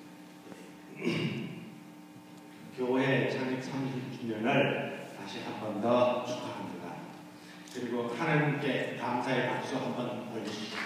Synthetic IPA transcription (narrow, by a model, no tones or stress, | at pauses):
e | kjoet͡ɕʰaŋik̚s͈ʰamiɡit͡ɕʰuɲʌnɯɭtaɕʰihambʌndʌt͡ɕʰu̥k͈ʰaɦandɯda | kɯɾiɡohanaɲimk͈e̞taɯmsʰaeʔak̚s͈oɦambʌnpʌɭɡiɕida